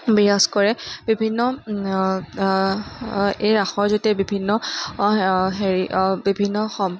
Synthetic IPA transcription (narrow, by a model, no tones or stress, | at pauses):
bijaskɔɹɛbibʱinːɔ | ejɹaxɔɹzotiabibʱinːɔ | ɦeɹibibʱinːɔxɔm